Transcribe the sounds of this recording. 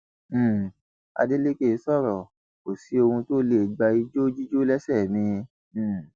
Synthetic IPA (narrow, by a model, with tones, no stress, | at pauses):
a̰˧de˦le˦ke˦˧˦sɔ˦˨ɾɔ˨ | o˨si˨˦o˧hũ˧to˦le˦˨ɡ͡ba˧i˧d͡ʒo˦d͡ʒi˦d͡ʒo˦lɛ˦sɛ˦˨mĩ˧˨